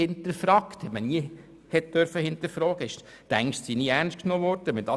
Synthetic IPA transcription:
ɪnt̪əɾfrɑːkt̪hɛtməniə | hɛt̚d̥œɾfəhɪntəɾfɾɔːɡəɪʃ | t̪æŋʃtsiniæɾnʃt̚knoːvɔɾd̥əʋɛnd̥ɑ

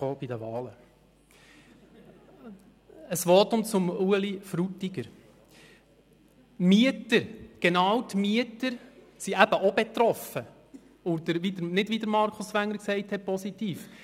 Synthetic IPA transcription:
oːb̥idəʋɑːlə | əsʋɔːtʊmt͡sʊmuəlifɾutːiɡəɾ | myətəɾɡ̥enɑːwt̪myətəɾ | siʔæb̥əʔob̥et̪ɾɔfə | od̪əɾʋid̪əɾnɪdvʋid̪əɾmɑɾkʰʊsʋæŋːəɾksɛɪthɛt̚pɔsitiːf

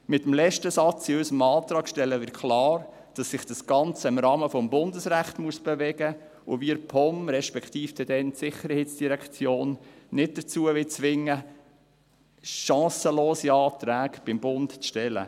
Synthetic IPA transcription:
mɪt̪əmlɛʃtəsɑt͡siʏsəmɑːt̪ɾɑːkʃtɛlːəvɪkʰlɑːɾ | d̥ɑsːɪχd̥ɑsɡ̥ɑnt͡səɪmɾɑːməfɔmbʊndəsɾæχtmuəsb̥ɛvɛɡə | ʊ̰ʋiɾpʰɔmɾɛʃpɛkʰtiːfd̥ɛd̥ɛntsɪχəɾheːtt͡sd̥iɾɛkt͡sjoːnːɪt̚d̥ət͡suəʋɪt͡sʋɪŋːə | ʃɑ̃ːsəloːsiɑːt̪ɾæːɡb̥ɪmbʊntt͡sʃtɛlə̰

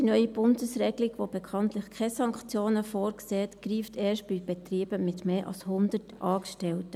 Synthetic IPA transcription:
d̥inœʏib̥ʊndəsrɛɡliɡʋob̥ɛkʰɑntlɪxkʰɛsɑŋkχt͡sjoːnəfoːɾkseːɛtɡ̥ɾiːftʰeːʃt̚b̥ib̥ɛt̪ɾiːb̥əmɪtmeːʔɑ̰lshʊnd̪ətʔɑːkʃtɛltə

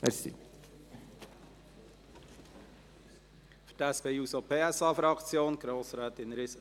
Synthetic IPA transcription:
mɛ̰sḭ | fə̥tæspeːuːsopʰeːæsɑːfɾɑkt͡sjoːnɡ̥ɾoːsɾɛːt̪ɪnɾɪs

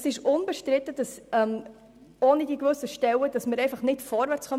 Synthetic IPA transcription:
sɪʃʊnbɛʃtɾɪtəd̥ɑsɛm | oːnid̥ikvɵsəʃtɛwəd̥ɑsmɪɾɛɪfɑχnɪtfɔɾvæɾt͡sχœ

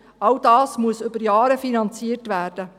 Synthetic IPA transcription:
ɑldɑːsmuəsʏbəɾjɑːɾəfinɑnt͡siərtʋæːrd̥ə

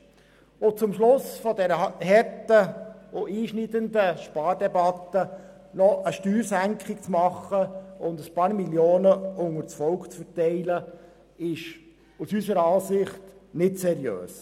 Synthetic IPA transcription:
ʊt͡sʊmʃlʊsfɔdɛɾəhɛɾtəʊʔiːʃnidənd̪əʃpɑːɾdɛbɑt̪ə | nɔʔəʃtyːɾsæŋkχɪk̚t͡smɑχːəʊnd̪əspɑːɾmiljoːnəʊŋəɾt͡sfɔlkt͡sfəɾtɛɪlə | ɪʃ | usysəɾɑːsɪχtnɪtsɛɾjø̰ːs

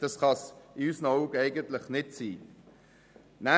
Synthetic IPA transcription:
d̥ɑsχɑsɪyːsnɔʊɡɛɪɡənt̪ləχnɪtsiː | næ

